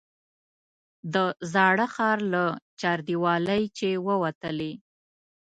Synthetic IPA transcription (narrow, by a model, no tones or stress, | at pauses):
d̪əzɑɽəxɑɾlat͡ʃɑɾd̪iwɑləjt͡ʃewəwat̪əle